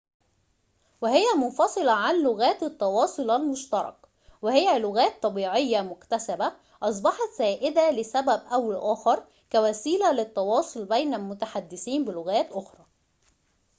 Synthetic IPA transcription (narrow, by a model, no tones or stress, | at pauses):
wɪhɪjæmʊnfɑsˤɨlɑʕanlʊɣæːt̪ɪt̪ˤːɑwɑːsˤolʔælmʊʃt̪ɑɾˤɑ̰k | wɪhɪjːælʊɣæːt̪ˤːɑbiːʕɪjːæmʊkt̪æsæbæ | ʔɑs̬ˤbɑħɑt̪z̥æːʔɪd̪ælɪsæbæbʔæwlʔæːxɑɾˤ | kæwæːsiːlælɪt̪ːɑwɑːsˤolbejnælmʊt̪aħad̪ːɪsiːmbɪlʊɣæːt̪ʔoxɾˤɑː